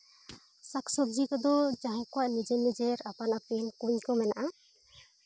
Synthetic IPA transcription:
saksɔb̚d͡ʒikɔd̪ɔd͡ʒaɦɛ̃kɔwaʔnid͡ʒenːid͡ʒeɾapanapinkuɲkɔmɛnaʔa

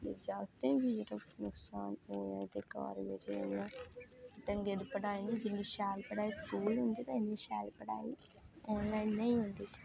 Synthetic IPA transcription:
lḛd͡ʒaːt̪eĩbid͡ʒʈɐnʊksaːnoːjã̰ːt̪eka̰ːɾʋeɾḛnãːt̪ɐŋɡed̪pɐʈaːjinid͡ʒinːiʃaːlpɐɽaːiskuːlund̪iːt̪ɐnːiʃaːlpɐɽa̰ːioːnlaːinːɐĩund̪iː

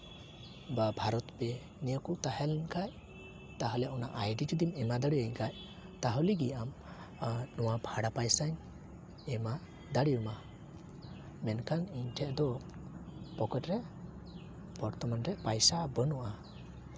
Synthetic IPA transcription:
babʱaɾɔt̪pɛ | nijəkut̪ahɛlɲkaj | t̪aɦɔlɛjaʔɔnaʔajɖid͡ʒud̪imɛmad̪aɽijəɲkaj | t̪aɦɔliɡiam | nɔwabʱaɽapajsaɲ | ɛma | d̪aɽijɔma | mɛnkʰaniɲʈʰɛʔd̪ɔ | pɔkəʈɾɛ | bɔɾt̪ɔmanɾɛʔpajsabənɔʔa

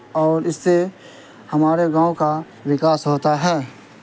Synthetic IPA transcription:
ɔːɾɪsːe | hɐmaːɾeɡãːõka | ʋɪkaːsɦoːt̪aɦɛː

